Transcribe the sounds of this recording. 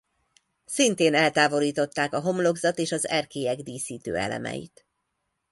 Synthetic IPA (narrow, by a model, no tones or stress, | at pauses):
sint̪eːnɛlt̪aːvo̞liːt̪o̞t̪ːaːkɒɦo̞mlo̞ɡzɒt̪eːʃɒzɛrkeːɛɡd̪iːsiːt̪ø̰ːɛ̰lɛ̰mɛ̰jḭt̪